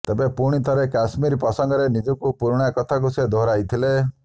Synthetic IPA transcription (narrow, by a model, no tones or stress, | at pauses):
t̪ebepuɽ̃it̪ʰaɾekasmiɾpɔsɔŋɡɔɾenid͡ʒɔkupuɾɽ̃jakɔt̪ʰak̬used̪ʱoɾajt̪ʰile